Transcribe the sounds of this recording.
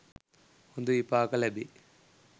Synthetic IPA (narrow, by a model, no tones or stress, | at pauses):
ond̪uipːaːkɐlɐbi